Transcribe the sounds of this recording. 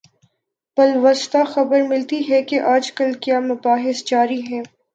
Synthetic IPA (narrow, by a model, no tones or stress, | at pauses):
pɐlʋɐst̪axɐbəɾmɪlt̪iɦɛkeʔaːd͡ʒkəlkjaːmʊbaːɦɪsd͡ʒaːɾiɦɛː